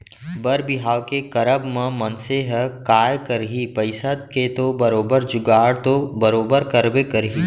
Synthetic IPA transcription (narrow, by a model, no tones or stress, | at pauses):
bɐɾbɪɦaːʋkekɐɾəbmə̃mɐ̃nseɦəkaːjkɐɾɦipɐɪsət̪̚ket̪obɐɾoːbəɾd͡ʒʊɡaːɽt̪obɐɾoːbəɾkɐɾbekɐɾɦiː